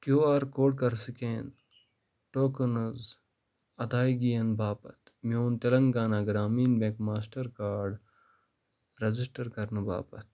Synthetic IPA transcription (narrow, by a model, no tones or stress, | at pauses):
kjoːaːɾkoːɖ̚kɐɾsikeːn | ʈoːkɐnɐz | ɐd̪aːiɡijɐnbaːpɐt̪mioːnt̪ɐlɐŋɡaːnaːɡɾaːmiːnbẽːkmaːsʈɐɾkaːɾɖ | ɾɐzisʈɐɾkɐɾnɨba̰ːpɐt̪̚